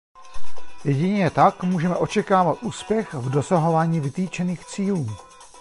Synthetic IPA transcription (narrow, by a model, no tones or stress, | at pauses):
jɛɟɪɲɛt̪akmuːʒɛmɛʔo̞t͡ʃɛkaːvat̪ʔuːspjɛxvdo̞saɦo̞vaːɲiːvɪt̪iːt͡ʃɛniːxt͡siːluː